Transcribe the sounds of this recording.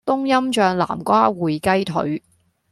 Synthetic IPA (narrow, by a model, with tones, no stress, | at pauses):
t̪ʊ˥ŋjɐ˥mt͡ʃœː˧ŋla̰ː˨˩mkʷaː˥wuː˨jkɐ˥jt̪ʰɵ̰˨˥ɥ